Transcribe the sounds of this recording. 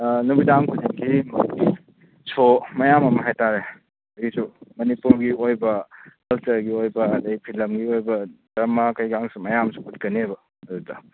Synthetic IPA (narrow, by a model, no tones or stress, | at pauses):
nubidaŋkʰudiŋkʰimɐi | sʰomɐjamɐmɐɦajtaɾe | ɐisumɐnipuɾɡiojbɐkɐltɐɾɡiojbɐːdɐjpʰilɐmɡiojbɐdɐmakɐjɡaŋsumɐjamsu̥kut̚kɐnebɐː | dutɐ̰